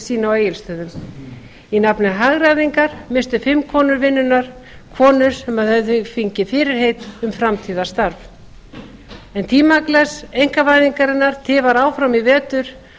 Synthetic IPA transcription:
siːnaweːjɪlst̪œːðʏm | inapnɪɦaɣɾajðiŋkaɾ̥mɪst̪ʏfɪmːkʰɔːnʏɾvɪnːʏnaɾ̥ | kʰvɔːnʏɾ̥sɛmaðhɛðʏfiɲcɪfɪːɾɪɾ̥hejt̪ʏmfɾamt̪ʰiːðast̪aɾv | ɛnt̪ʰiːmaklɛsejŋ̥kavajðiŋkaɾɪnːaɾ̥t̪ʰɪːvaɾaːwfɾamivɛːt̪ʏɾ̥

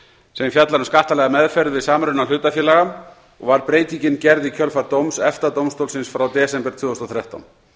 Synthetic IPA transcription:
sɛjmfjat̪laɾnaskaht̪alɛɣamɛðfɛɾðvɪðsaːmɾʏɾʏnawlʏːt̪afjɛːlaɣam | ɔɣvaɾpɾeːjt̪iɲcɪncɛɾðicʰœlfaɾt̪owmsɛft̪at̪owmst̪owlsɪnsfɾawt̪ɛːsɛmpɛɾ̥t̪ʰvɪːɔst̪ɔθɾaht̪a̰wn

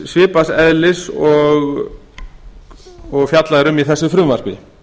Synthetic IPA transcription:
svɪːpasɛðlɪsɔɣ | ɔɣfjat̪laðɪɾʏmiθɛsːʏfɾʏːmaɾ̥pɪ

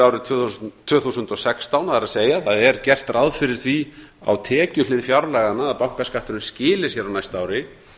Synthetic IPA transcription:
aːwɾɪt̪ʰːt̪ʰvœːθusʏnt̪ɔsɛkst̪aːwnaɛɾaðseːjaθaðɛɾcɛr̥t̪rʔaðfɪɾɪɾ̥θvi | a̰wt̪ʰɛːcʏlɪːðfjawɾlɛːɣanːaapam̥kaskaht̪ʏɾʏmscɪːlɪsjɛɾawnajst̪aːwɾɪ

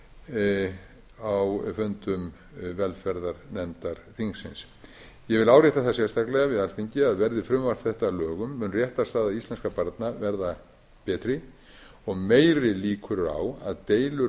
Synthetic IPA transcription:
awfœnt̪ʏm | vɛlfɛɾðaɾnɛmt̪aɾ̥θiŋsɪ̰ns | jɛvɪlaːwɾejht̪aθasjɛst̪aklɛɣavɪðalfiɲcɪaðvɛɾðɪfɾʏmvar̥θɛht̪alœːɣʏmːʏnrjɛht̪ast̪aːðaist̪lɛnskapaɾt̪navɛɾða | pɛːt̪ɾɪ | ɔɣmeːjɾɪliːkʰʏɾa̰wa̰ðt̪eːjlʏɾ

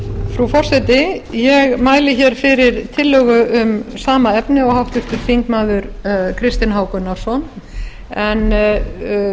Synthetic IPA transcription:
fɾufɔr̥sɛt̪ɪjɛɣmaːjlɪçɛɾ̥fɪɾɪɾt̪ʰɪlːœɣʏʔʏmsaːmaɛpnɪɔɣhawht̪ʏɾ̥t̪ʏɾ̥fiŋkmaːðʏɾkʰɾɪst̪ɪnɦaːwkʏnːḁsɔn | ɛn

